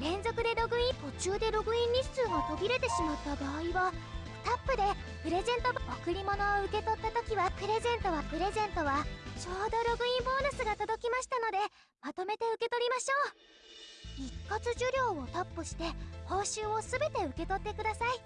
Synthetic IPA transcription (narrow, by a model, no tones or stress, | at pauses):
ɾẽ̞nzo̞kɯ̟d̪e̞ɾo̞ɡɯ̟ĩmpo̞t͡ɕɨːd̪e̞ɾo̞ɡɯ̟ĩɲʲːit͡sɨːmo̞t̪o̞bʲiɾe̞t̪e̞ɕimat̪ːabaːiβḁ | t̪apːɯ̟d̪e̞ | pɯ̟ɾe̞zẽ̞nt̪o̞baokɯ̟ɾʲimo̞no̞ːɯ̟ke̞t̪o̞t̪ːat̪o̞kʲiβapɯ̟ɾe̞zẽ̞nt̪o̞βapɯ̟ɾe̞zẽ̞nt̪o̞βat͡ɕo̞ːd̪o̞ɾo̞ɡɯ̟ĩmbo̞ːnɯsɨɡat̪o̞d̪o̞kʲimaɕi̥t̪ano̞d̪e̞ | mat̪o̞me̞t̪e̞ɯ̟ke̞t̪o̞ɾʲimaɕo̞ː | ikːat͡sɨʑɨɾʲo̞ːot̪apːɯ̟ɕi̥t̪e̞ho̞ːɕɨːo̞sɨbe̞t̪e̞ɯ̟ke̞t̪o̞t̪ːekɯd̪asai